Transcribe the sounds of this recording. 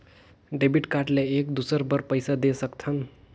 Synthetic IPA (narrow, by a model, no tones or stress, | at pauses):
ɖebiʈkaʈleekd̪usəɾbəɾpəjsad̪esəkt̪ʰʌn